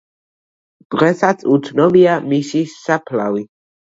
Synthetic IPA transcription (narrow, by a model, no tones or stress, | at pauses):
d̪̥ʁɛsat̪sʰut̪sʰnɔbiamisissapʰla̰vi